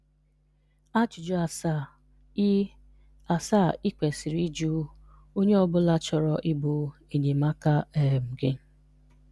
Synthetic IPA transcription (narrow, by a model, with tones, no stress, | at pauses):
a˦t͡ʃʊ˨d͡ʒɔ˦a˨s | a˨sa˦˨ɪ˦kʷe˨si˨ɾi˦d͡ʒu˦ | o˦ɲe˦ɔ˦bʊ˦la˦t͡ʃɔ˨ɾɔ˦ʔɪ˦bʊ˨e˨ɲe˨ma˦ka˦e˨m̩˨ɡe˦